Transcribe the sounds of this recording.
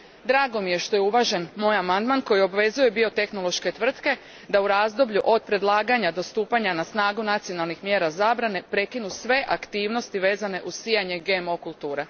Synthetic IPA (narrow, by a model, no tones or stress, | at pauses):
d̪ɾaːɡo̞mije̞ʃt̪o̞jeuʋaʒe̞nmoːjamand̪manko̞jio̞bʋe̞zuje̞bio̞t̪e̞xno̞lˠo̞ʃke̞t̪ʋr̩t̪ke̞ | d̪auɾazd̪o̞bʎuʔo̞d̪̚pɾe̞d̪lˠaːɡaɲad̪o̞st̪uːpaɲanasnaːɡunat̪sio̞nalˠnixmje̞ːɾazaːbɾane̞pɾe̞kinusʋe̞ʔakt̪iːʋno̞st̪iʋe̞ːzane̞ʔusiːjaɲe̞ɡemo̞kulˠt̪uːɾe